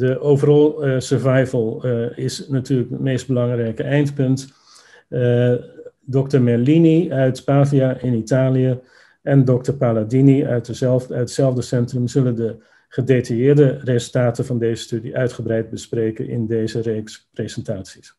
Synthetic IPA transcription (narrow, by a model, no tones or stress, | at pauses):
dəʔowvərɑlˠsəɹvajvəlˠɪsnatyːləkətmejsd̚bəlɑŋrɛjkəɛjntpɵnt | dɔktəɹmɛliniœɥtpaːviaʔɪnitaːlijə | ɛndɔk̚təɹpaladiniœtœɥətsɛlˠvdəsɛntrəmzɵləndə | χədetajɪːɹdərezəlˠtaːtəvɑndeːzəstydiʔœɥtχəbrɛjd̚bəspreːkənɪ̰ndeːzəreksprezɛntaːtsi̥s